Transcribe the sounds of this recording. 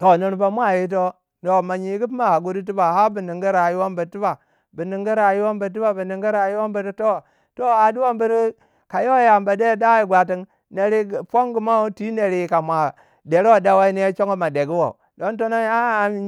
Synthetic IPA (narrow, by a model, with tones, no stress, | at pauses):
to˨ni˦ɾpa˦mʷ˦a˦˨ji˦t̬o˦ | no˨ma˨ɲi˨˦ɡi˦p̬i˦ma˦a˨ɡu˦di˦t̬i˦ba˨ɦa˦bi˨ni˨ŋɡi˦ɾa˨ji˦wo˦mbi˨˦ti˦ba˨ | bi˨ni˨ŋɡi˦ɾa˨ji˦wo˦mbə˨t̬i˦ba˨bi˨ni˨ŋɡi˦ɾa˨ji˦wo˦mbi˨ɾi˦to˦ | to˦a˨du˦wo˦mbi˦ɾi˦ | ka˨jo˦ja˨mba˨de˦da˦ji˨ɡʷa˨ti˦ŋ | ne˨ɾi˦˨po˦ŋɡu˨ma˦u˦ti˦ne˨ɾi˨ka˨mʷa˨ | de˨ɾo˦˨da˦wa˦i˦ne˦t͡ʃo˦ŋo˦ma˨de˨ɡi˦wo˨ | do˦nto˦no˦a˦˨